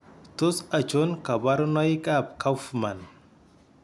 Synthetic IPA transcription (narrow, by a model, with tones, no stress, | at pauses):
t̪ʊ˦sɐ˨t͡ʃo˦nkɐ˨bɐ˦ɾna˦jkʼa˦b̚kɐ˦fma˨n